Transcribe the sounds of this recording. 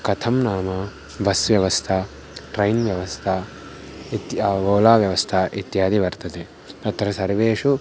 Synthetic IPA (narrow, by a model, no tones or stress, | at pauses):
kɐt̪ʰɐmnaːmaː | bɐsʋjɐʋɐst̪ʰa | ʈɾɐjnʋjɐʋɐst̪ʰaː | t̪ːɡoːlaːʋjɐʋɐst̪ʰaːʔɪt̪ːɪjaːd̪iʋɐɾt̪ɐt̪ɛ | t̪ɐt̪ːɐɾɐsɐɾʋeːʃu